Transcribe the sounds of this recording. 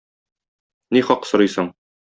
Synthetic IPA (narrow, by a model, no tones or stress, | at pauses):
niχɒqsŏɾɤjsɤɴ